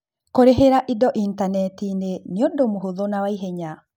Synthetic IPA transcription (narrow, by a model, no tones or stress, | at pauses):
koɾeɦeɾaʔidɔʔintanɛtineneodomoɦoðonawaiɦeɲa